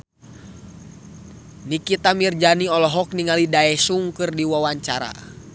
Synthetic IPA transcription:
nikit̪amird͡ʒaniɔlɔɦɔk̚niŋalidaɛsuŋkɨrdiwawaɲt͡ʃaɾa̰

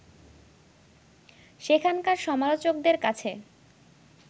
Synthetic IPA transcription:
ʃekʰankaɾʃɔmalot͡ɕok̚d̪eɾkat͡ɕʰe

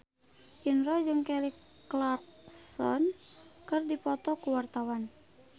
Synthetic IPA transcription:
ʔinrɔd͡ʒɨŋkɛlik | latsɔ̰nkɨrdipɔt̪ɔkuwart̪awan

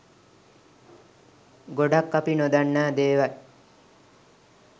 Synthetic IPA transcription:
ɡoɖakːapinod̪anːaːd̪eːʋa

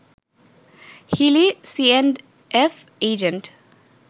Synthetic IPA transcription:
hilisiɛ̃nɖ | ʔefeːd͡ʒə̃nʈ

